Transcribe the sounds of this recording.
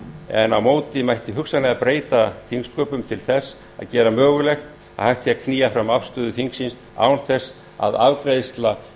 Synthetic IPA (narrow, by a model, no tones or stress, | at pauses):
ɛ̰nawmoːwt̪ɪmajht̪ɪɦʏksanɛɣapɾeːjt̪aθiŋskœːpʏmt̪ʰɪlθɛsː | a̰ðcɛːɾamœːɣʏlɛxt̪ | a̰ðhajft̪ɛakʰniːjafɾamːafst̪ʏːðʏθiŋsinsa̰ːwnθɛsː | a̰ðavkɾejst̪la